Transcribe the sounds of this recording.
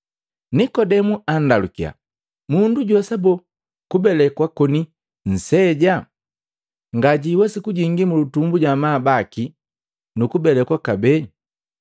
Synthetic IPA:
nikɔdɛmuan̩dalukia̰ | munduɟɔsabɔ | kubɛlɛkwakɔni | n̩sɛɟa | ŋɡaɟiwasikuɟiŋɡimulutumbuɟamabaki | nukubɛlɛkwakabɛɲ

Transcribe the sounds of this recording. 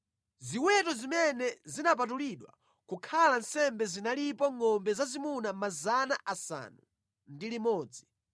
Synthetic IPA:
ziwɛtɔzimɛnɛzinap̬at̬uliɗwa̰ | kukʰalansɛmbɛzinalipɔŋɔmbɛzazimunamazanaʔasa̰nu | ndilimɔːd͡zi

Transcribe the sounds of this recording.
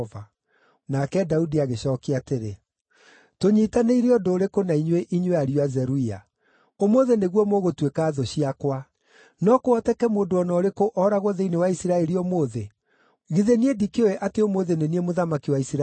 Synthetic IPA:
va | nakɛdaudiaɣeɕɔːkeateɾe | toɲitaneiɾeɔdoːɾekonaiɲweʔiɲweaɾiwazɛɾuia̰ | omoðeneɣwɔmoɣotwekaːðoɕiakwa | nɔkoɔtɛkɛmoːndoɔnɔɾekoʔɔːɾaɣwɔðeinewaisiɾaɛɾiɔmoːðe | ɣiðeniedikeoeʔateomoðeneniemoðamakiwaisɾa

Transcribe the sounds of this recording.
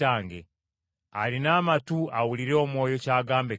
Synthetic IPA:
aːŋɡḛ | alinaːmatuawuliɾeomwoːjocaːɡaːmbe

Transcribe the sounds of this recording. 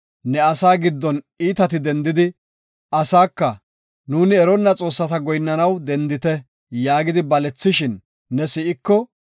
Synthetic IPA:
nɛɐsaːɡɪd̪ːɔn | iːt̪ɐt̪ɪd̪ɛnd̪ɪd̪ɪ | ʔɐsaːkːɐ | nuːnɪɛɾɔnːɐt͡sʼo̞ːsːɐt̪ɐɡɔjnːɐnɐwd̪ɛnd̪ɪt̪ɛ | jaːɡɪd̪ɪbɐlɛt͡sːɪʃɪnː | ɛsɪʔɪkːɔ

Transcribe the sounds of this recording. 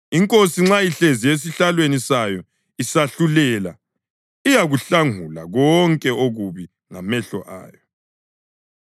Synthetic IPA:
iŋkʼosiŋ͡ǁajiɬezijes̬iɬalwenisajɔ | isaɬulɛla̰ | ijaɣuɬaŋula̰ɣɔŋkʼɛoɣuβi | ŋamɛɬɔ̰ʔa̰ːjɔ

